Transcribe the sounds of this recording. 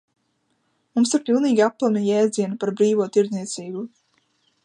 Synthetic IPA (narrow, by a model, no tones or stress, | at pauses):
mumsiɾpilˠniːɡʲiapːlˠamʲijɛːd̪ziɛnapaɾbɾiːvuɔt̪iɾzniɛt̪siːbu